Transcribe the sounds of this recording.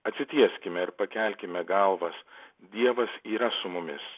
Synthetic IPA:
ɐt̪ʲsʲɪt̪ʲiɛsʲkʲɪmʲɛɪɾpɐkʲɛˑlʲkʲɪmʲɛɡɐlˠʋɐsd̪ʲiɛʋɐsiːɾɐsʊmʊmʲɪ̰s

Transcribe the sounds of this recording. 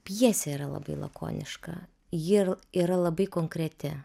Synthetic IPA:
pʲjiɛsʲɛiːɾɐlˠɐ̰bɐɪlˠɐ̰ko̰ːnʲɪ̰ʃkɐ̰ | jɪiːɾɐlˠɐbɐɪkoːŋkɾʲɛt̪ʲɪ

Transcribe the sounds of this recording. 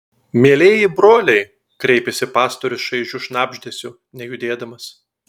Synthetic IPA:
mʲeːlʲeːjɪbɾoːlʲɛɪ | kɾʲɛɪpʲɛsʲɪpɑːst̪ɔɾʲʊsʃɐɪʒʲʊʃnɑːbʲʒʲd̪ʲɛsʲʊ | nʲɛjʊd̪ʲeːd̪ɐmɐs

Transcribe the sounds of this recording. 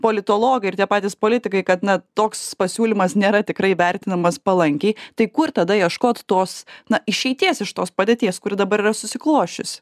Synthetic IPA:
poːlʲɪt̪oːlˠoːɡɐɪrt̪ʲiɛpɑːt̪ʲiːspoːlʲɪt̪ʲɪkɐɪkɐt̪nɐt̪oːkspɐsʲuːlʲɪmɐsnʲeːɾɐt̪ʲɪkɾɐɪʋʲɛɾʲt̪ʲɪnɐmɐspɐlˠɐŋʲkʲɛɪt̪ɐɪkʊrt̪ɐd̪ɐjiɛʃkoːt̪t̪oːsnɐɪʃʲɛɪt̪ʲiɛsɪʃt̪oːspɐd̪ʲeːt̪ʲiɛskʊɾʲɪd̪ɐbɐɾiːrɐsʊsʲɪklˠoːʃʲt͡ʃʲʊsʲ

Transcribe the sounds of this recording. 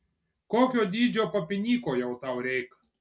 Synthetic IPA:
koːkʲod̪ʲiːd͡ʒʲopɐpʲɪnʲiːkojɛwt̪ɑwɾʲɛjk

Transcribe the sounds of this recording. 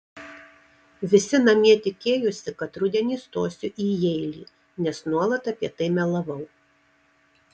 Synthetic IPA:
ʋʲɪsʲɪnɐmʲiɛt̪ʲɪkʲeːjʊsʲɪkɐt̪ɾʊd̪ʲɛnʲiːst̪oːsʲʊʔiːjɛɪlʲiː | nʲɛsnuɔlˠɐt̪ɐpʲiɛt̪ɐɪmʲɛlˠɐʋɐʊ

